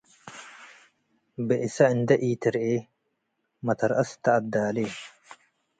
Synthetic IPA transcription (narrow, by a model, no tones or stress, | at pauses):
bɛʔɪsɐɪnd̪ɐʔiːt̪ɪɾʔeː | mɐt̪ɐɾʔɐst̪ɐʔɐd̪aːleː